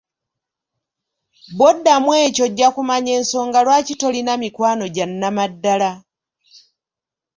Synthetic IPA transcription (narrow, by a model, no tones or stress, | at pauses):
bo̞dːamwe̞ːco̞ɟːakumaɲe̞ːnso̞ːŋɡalwaːcito̞linamikwaːno̞ɟanːamadːala